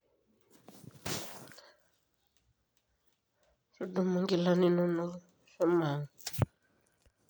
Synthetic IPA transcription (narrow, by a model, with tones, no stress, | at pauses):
ʂi˦du˨mu˦ŋɡi˨la˦nɛ˨nɔ˦nɔ˦ | ʂɔ˦maː˨ŋa